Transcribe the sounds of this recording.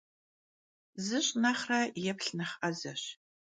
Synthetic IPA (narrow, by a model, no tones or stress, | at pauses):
zɨɕʼnaχrajɛpʰɬnɐχɐzɐɕ